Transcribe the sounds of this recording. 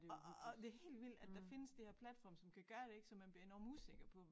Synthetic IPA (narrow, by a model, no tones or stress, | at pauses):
d̥e̝ɐhe̝̰ːld̥ʋil̰d̥æd̥d̥ɑfe̝nəsd̥eheɐ̰pʰlæd̥fɒ̰ːmsɒ̽mkʰæɡ̥ɶːɐɾ̥e̝e̝ɡ̥sɒ̽mænb̥liɐe̝nɒ̰ːmuse̝ɡ̥ɐpʰɒ̽